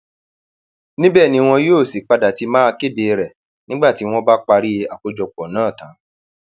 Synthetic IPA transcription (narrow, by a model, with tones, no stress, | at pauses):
nĩ˦bɛː˦˨nĩ˧w̃ɔ̃˧joː˦˨si˨k͡pa˧da˨ti˨˦mãː˦˧ke˦˨de˨ɾɛ˨ | nĩ˦ɡ͡ba˦˨ti˨˦w̃ɔ̃˦ba˦k͡pa˧ɾi˦˧a˨ko˨˦d͡ʒɔ˧k͡pɔ˨nãː˦˨tã˨˦